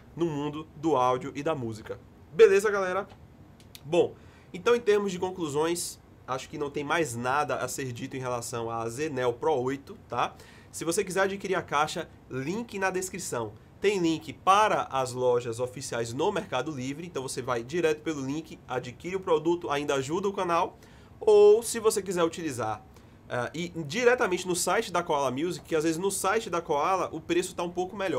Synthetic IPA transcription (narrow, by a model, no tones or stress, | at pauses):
nʊmũnd̪ʊd̪ʊawd͡ʒiʊʔid̪ɐmuzikɐ | belezɐɡalɛɾɐ | bõ | ẽt̪ɐ̃w̃ẽt̪eɾmʊzd͡ʒɪkõkluzõj̃s | aʃʊ̥kɪnɐ̃w̃t̪ẽj̃majznad̪ɐʔa̰seɾd͡ʒit̪ʊẽj̃ɦelasɐ̃w̃azenɛwpɾɔojt̪ʊt̪a | sɪvosekizɛɾad͡ʒikiɾiɾɐkaʃɐ | lĩkɪnɐd̪eskɾisɐ̃w̃ | t̪ẽj̃lĩkɪpaɾɐʔɐzlɔʒɐzofisiajznomɛɾkad̪ʊlivɾɪẽt̪w̃vosevajd͡ʒiɾɛt̪ʊ̥pelʊlĩkɪad͡ʒikiɾiʊpɾod̪ut̪ʊaĩnd̪ɐaʒud̪ɐʊkɐ̃naw | owsɪvosek̬izɛɾut͡ʃilizaɾ | ɛʔɪd͡ʒiɾɛt̪ɐmẽnt͡ʃɪnʊsajt͡ʃɪd̪ɐkoalɐmiwzikɪazvezɪznʊsajt͡ʃɪd̪ɐkoalɐʔʊpɾesʊ̥t̪aũpowkʊmɛʎɔ